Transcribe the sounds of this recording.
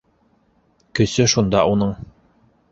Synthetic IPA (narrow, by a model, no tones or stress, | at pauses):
kɵ̆sɵʃund̪ɑʔunɤɴ